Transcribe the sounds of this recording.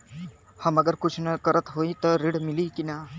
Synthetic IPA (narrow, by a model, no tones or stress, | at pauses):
hɐməɡəɾkut͡ʃʰnɐkəɾət̪ɦoit̪əɾiɽmilikina